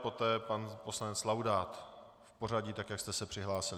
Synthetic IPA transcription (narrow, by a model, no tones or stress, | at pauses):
po̞t̪ɛːpanpo̞slanɛt͡slawdaːt̪ | fpo̞r̝aɟit̪akjakst̪ɛsɛpr̥ɪɦlaːsɪlɪ